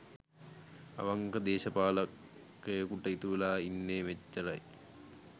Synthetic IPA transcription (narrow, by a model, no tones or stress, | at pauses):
ɐ̰ʋɐŋkɐd̪eːɕɐpaːlɐkː | ejkuʈːɐit̪uʋlaːinːeːʋet͡ʃːɐɾɐ̰j